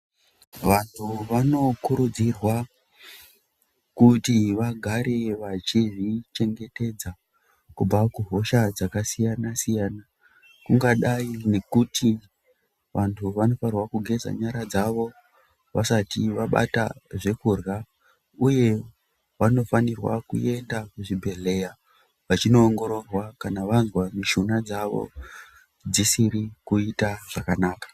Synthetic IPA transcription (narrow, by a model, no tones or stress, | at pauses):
ʋantʰuʋano̞kuɾud͡zirwa | kutiʋaɡʱaɾe̞ʋat͡ʃiʐit͡ʃe̞ŋɡe̞te̞d͡za | kub͡vakuɦo̞ʃad͡zakasijanasijaːna | kuŋɡaɗaine̞kutʰi | ʋʔantʰuʋano̞farwakuɡʱe̞za̰ɲaɾad͡zaʋo̞ | ʋasatiʋaɓa̰taʐe̞kurɣa | uje̞ | ʋano̞fanirwa̰kṵʔe̞ndakuʐibʱe̞le̞ja | ʋat͡ʃino̞ːŋɡo̞ɾo̞rwakanaʋanzwamiʃunad͡zaʋo̞̰ | d͡zisiɾikuitaʐ̥akanaːkḁ